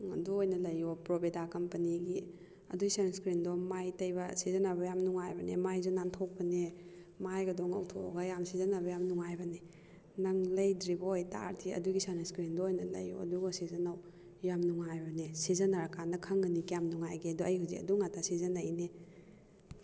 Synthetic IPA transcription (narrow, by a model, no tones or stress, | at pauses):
ŋɐduojnɐlɐjopɾobedakɐmpɐniɡi | ɐ̰duɡisanskɾindomajtɐjbɐsizɐnabɐjamnuŋajbɐnḛmajzunantʰok̚pɐnemajɡɐdɔŋɐ̰wtʰo̰ɡɐjamsizɐnabɐjamnuŋajbɐne | nɐŋlɐjdɾibɐojta̰ɾtʰiɐ̰duɡisaneskɾindoojnɐlɐ̰jo̰ɐ̰duɡosizɐnaw | jamnuŋajbɐnesizɐnaɾakandɐkʰɐŋɡɐnikijamnuŋajɡiɐduɐjhazḭɐ̰duŋatʰasizɐnɐjne